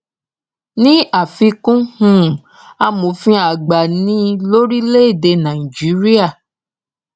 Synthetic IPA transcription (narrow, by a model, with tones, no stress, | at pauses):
nĩ˦a˦˨fi˧kũ˦hũ˦˨ | a˧mõ˨fĩ˧a˨ɡ͡ba˨nĩ˨˦lo˦ɾi˦le˦e˦˨de˧nã˨i˨d͡ʒi˨˦ɾi˦a˦˨